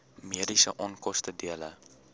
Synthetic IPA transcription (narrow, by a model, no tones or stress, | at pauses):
miədisə̰ʔɔnkɔstədiələ̰